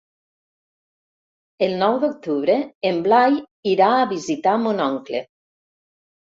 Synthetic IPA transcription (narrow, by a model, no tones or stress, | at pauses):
elˠnɔwd̪ok̚t̪uβɾeemblaj | iɾaːβizit̪amonɔŋkle